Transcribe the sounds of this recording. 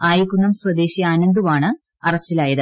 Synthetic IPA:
aːjikʲːunːɐmswɐd̪e̞ːɕiaːnɐnd̪uʋaːɳɨ | ɐrɐstilaːjɐðɨ

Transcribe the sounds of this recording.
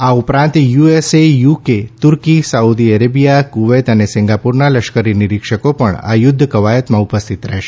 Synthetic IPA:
aupɾãnt̪juesejuket̪uɾkisaud̪iəɾebijakuʋet̪ənesĩŋɡapuɾnaləʃkəɾiniɾikʂəkopəɳa̰jʊd̪ʱːəkəʋajət̪mãupəst̪ʰit̪ɾɛɦʃe̥

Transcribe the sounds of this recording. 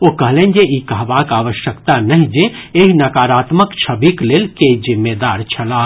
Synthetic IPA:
okɐɦlẽːnd͡ʒeikəɦʋakaːʋəʃjəkt̪anɐɦĩd͡ʒẽeɦinɐkaːɾaːt̪məkt͡ʃʰəbikleːlkezɪmːeːd̪aːɾt͡ʃʰɐla

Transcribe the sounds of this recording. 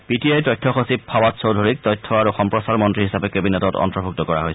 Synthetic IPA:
pitijajtɔjtʰːɔxosip̚pʰːawatsowdʱoɹik̚tɔjtʰːɔaɹuxɔmpɹɔsaɹmɔntɹiɦisapɛkebinɛtɔtɔ̰ntɹɔbʱuk̚tɔkɔɹa̰ɦojsɛ

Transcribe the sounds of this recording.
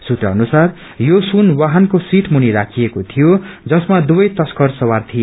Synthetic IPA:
sut̪rʌʌnusar | josunwaɦʌnkosiʈʰmuniɾakʰijekot̪ʰijod͡zʌsmad̪ubʌjt̪ʌskʌrsʌwart̪ʰijo

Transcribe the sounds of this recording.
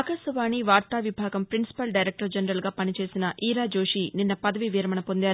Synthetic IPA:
ɐkɐsɐʋaːniʋaːɾt̪aːʋibʱaːɡɐmpɾinsi̥pɐlɖɐjɾek̚ʈɐɾd͡ʒɐnɐɾɐlɡaːpɐnit͡ʃe̞ːsinɐʔiːɾaːd͡ʒo̞ːʂininːɐpɐd̪ɐʋiʋiːɾɐmɐɳɐpo̞nd̪aːɾu

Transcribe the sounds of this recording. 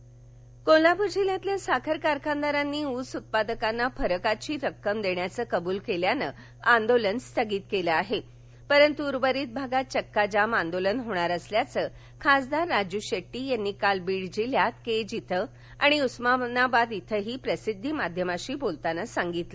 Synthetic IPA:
kolapuɾd͡ʑiljãt̪ljasakʰəɾkaɾkʰãnd̪aɾanːiːusut̪̚pad̪əkanːafəɾəkat͡ɕiːɾəkːəmd̪eɳjat͡səːkəbuːlkeljanə | and̪olənst̪ʰəɡiːt̪keləaɦe | pəɾənt̪uːɾbəɾiːt̪̚bʱaɡat̪̚t͡ɕəkːad͡ʑamãnd̪olənɦoɽ̃aɾəsljat͡sə | kʰasd̪aɾːad͡ʑuɕeʈːiːjanːiːkalbiɽd͡ʑiljat̪ked͡ʑit̪ʰə | a̰ɽ̃iusmanabad̪it̪ʰəɦiːpɾəsid̪ʱːimad̪ʱjəmaɕiːbolt̪anəsaŋɡit̪lə

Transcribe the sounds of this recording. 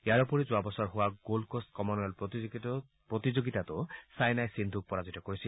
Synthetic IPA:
eaɾɔpoɾid͡ʒoabɔsɔɾɦowaɡolkostkɔmonɔl | pɾot̪id͡ʒoɡit̪at̪osajnajsind̪ʱuk̚pɔɾazitɔkoɾisʰi

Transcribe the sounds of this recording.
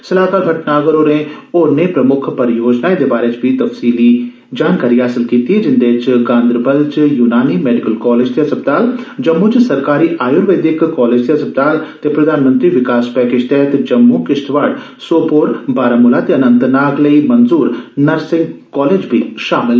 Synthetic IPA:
səlaːkaːlbʱɐʈnaːɡəɾoːɾẽoːɾneːpɾəmʊkʰpəɾjoːd͡ʒnaːed̪eːbaːɾet͡ʃbʱit̪ɐfsiːli | d͡ʒaːnkaːɾiːɦaːsɪlkiːt̪iɦɛd͡ʒɪnd̪et͡ʃɡãːnd̪ɾbəlt͡ʃjuːnaːniːmɛːɖɪkəlkɔːleːd͡ʒt̪eɐsəp̚d̪aːld͡ʒəmːuːt͡ʃsɐɾkaːɾiːʔaːjʊɾʋeːd̪ɪkːɔːleːd͡ʒt̪eɦɐsəp̚d̪aːlt̪epɾɐd̪aːnmə̃nt̪ɾiːʋɪkaːspɛːkeːd͡ʒt̪ɛːɦt̪d͡ʒəmːukɪʃʈʋaːɽ | soːpoːɾbaːɾaːmʊlaːt̪eənənt̪naːɡləimənzuːɾnəɾsɪ̃ŋɡkɔːleːd͡ʒbʱiʃaːmɪl

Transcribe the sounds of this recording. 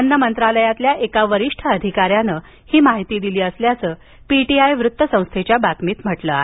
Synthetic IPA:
ənːəmənt̪ɾaləjat̪ljaʔekaʋəɾiʂʈʰəəd̪ʱikaɾjanə | hiːmaɦit̪iːd̪iliːəsljat͡səː | piʈiajʋɾut̪ːəsə̃w̃st̪ʰet͡ɕjabat̪miːt̪m̤əʈləae

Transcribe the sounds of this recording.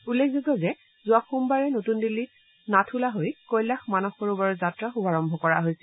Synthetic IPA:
ulːekʰzutɔzɛ | zuaxumbaɹɛnotundili | natʰulaɦojkojlaxmanɔxoɹubaɹɔzatɹaxubaɹɔmbʱɔkɔɹaɦojsɛ̥

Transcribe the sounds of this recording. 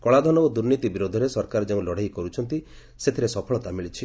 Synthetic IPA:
kɔɭad̪ʱɔnɔod̪uɾnit̪ibiɾod̪ʱɔɾesɔɾkaɾɔd͡ʒeũlɔɽ̤ajkɔɾut͡ʃʰɔnt̪i | set̪ʰiɾesɔpʰɔɭɔt̪amiɭit͡ʃʰi

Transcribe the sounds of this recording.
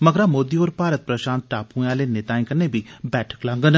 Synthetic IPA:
məɡɾaːmoːd̪iːoːɾpaːɾət̪̚pɾəʃãːnt̪̚ʈaːpũːãːleːnɪt̪aːĩkəɾneːbʱiːbɛːʈʰə̥klãːŋɡən

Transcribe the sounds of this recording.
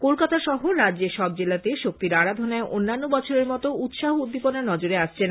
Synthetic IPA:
kolkat̪aʃɔɦoɾadd͡ʑeʃɔb̚d͡ʑelat̪eʃok̚t̪iɾaɽad̪ʱonaeʔonːanːobɔt͡ɕʰoɾeɾmɔt̪out̪ʃaɦoud̪ʱːiponaɾnɔd͡ʑoɾeaʃt͡ɕʰen

